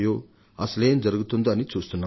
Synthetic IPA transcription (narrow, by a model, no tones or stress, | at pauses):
jo | ɐslend͡zʌɾɡut̪ʰund̪oːnit͡sust̪ʰunːa